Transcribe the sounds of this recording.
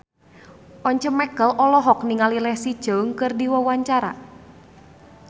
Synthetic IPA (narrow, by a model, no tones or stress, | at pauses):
ʔɔɲt͡ʃɔmɛɡəlʔɔlɔɦɔk̚niŋalilɛhsi̥ʒ̥ɔ̤ŋkɨrdiwɔwaɲt͡ʃaɾa̰